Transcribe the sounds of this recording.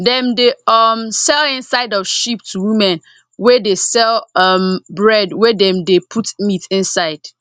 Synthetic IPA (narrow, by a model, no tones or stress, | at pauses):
dɛ̃mdeʌmsɛlɪ̃nsaɪdɔv̥ʃip̚tʰuwĩmɛ̃n | wɛdesɛlˠʌmbɹɛdwɛdɛ̃mdepʰutmitɪ̃nsaɪd̥